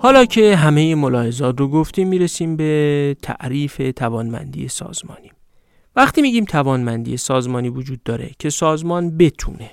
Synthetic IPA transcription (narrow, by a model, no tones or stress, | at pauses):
hɒːlɒːcʰe̞ɦæmejemolɒːhe̞zɒːt̪roɡoft̪iːmːiːɾesiːmbe̞t̪ʰæ̰ʔɾiːfe̞t̪ʰævɒːnmæ̰nd̪ḭjesɒ̰ːz̥mɒ̰ːniː | væxt̪ʰiːmiːɟiːmt̪ʰævɒːnmænd̪ḭjesɒːzmɒːniːvod͡ʒuːd̪̚ːɒːɾe̞̰cʰe̞sɒːzmɒːnbe̞t̪ʰṵːne̞